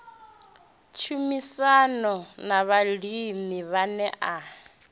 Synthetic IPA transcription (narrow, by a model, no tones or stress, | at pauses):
t͡ʃʰumisanɔnaβalimiβanɛʔa